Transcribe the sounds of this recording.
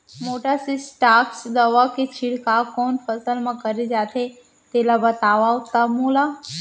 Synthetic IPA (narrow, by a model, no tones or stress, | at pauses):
moːʈasisʈaːksd̪ɐʋaket͡ɕʰiɽkakoːnfɐsəlmãkəɾed͡ʑaːt̪ʰe | t̪elabɐt̪aːʋaʊt̪amũːla